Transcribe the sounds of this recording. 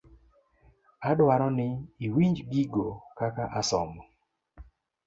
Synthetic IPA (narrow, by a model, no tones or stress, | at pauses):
adwaɾɔnɪiwiɲd͡ʒɡiɡokakaʔasɔmɔ